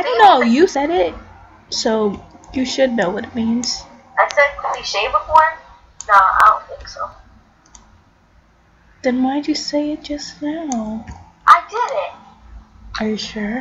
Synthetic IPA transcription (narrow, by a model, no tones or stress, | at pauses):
adõnoʊjɨsɛɾɪt̚ | soʊjɨʃɨdⁿnoʊwʌɾɨt̚mĩnz̥ | ɨsɛd̚kʰɨd̚biʃẽɪbəfɔɹ | noʊa̰ɪɾõʊ̃nθɪ̃ŋksoʊ | ð̥ɨ̃nmãɪ̃nd͡ʒɨseɪɪt̚d̥ʒ̥ʌsnaʊ | ʔaɪdɪɾɪt̚ | ə˞jɨʃʊɹ